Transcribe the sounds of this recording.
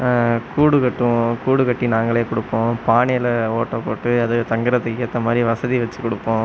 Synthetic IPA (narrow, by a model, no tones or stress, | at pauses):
kuːɽɯkɐʈːɯ̃kuːɽɯkɐʈːinaːŋɡɐɭeːkɔɽɯpːõːpaːɳɐjlɐoːʈːõːpoːʈːɯɐðɯt̪ɐŋɡɯɾɐt̪ɯkːɯɐt̪ːɐmaːd̪ɾiʋɐsɐðiʋɐt͡ʃːɯkɔɽɯpːõː